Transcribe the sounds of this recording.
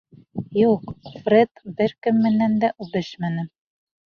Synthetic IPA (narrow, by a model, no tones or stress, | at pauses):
juqfret̪bɘɾkɘ̆mːɘ̆nːænd̪æʔʉbɘʃmænɘ